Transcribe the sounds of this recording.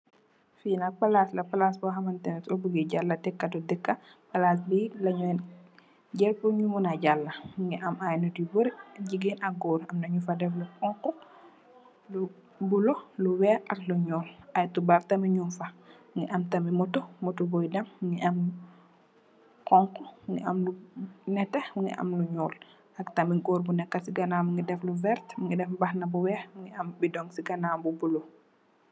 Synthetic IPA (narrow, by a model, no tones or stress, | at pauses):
finapɐlaslɐpalasbɔɦɐmantɐmtobuɡiɟalːɐdɛkːadudɛkːa | pɐlaːs̬bilɐɲɔɛn | ɟɛɾpuɲumunaɟalːɐŋɡɛʔɐmajnudibuɾɟiɡinɐɡɔːɾɐmnɐɲufadɛflukɔŋkɔ | lu | bulɔluwɛɐkluɲɔːlɐjtubɐɾtɐmiɲunfɐ | ŋɡiʔɐmtɐmimɔtumɔtubɔjdɐmːŋɡiʔɐm | kɔŋkɔmŋɡḭɐmlunɛtɛmuŋɡḭʔɐ̰mluɲɔːl | ɐktɐmiɡɔːɾbunɛkːɐsiɡɐnaːmiŋɡidɛfluvɛrtmŋɡidɛfbɐxnɐbuwɛːmŋɡiɐmbidɔŋsiɡɐnaːmbubulɔ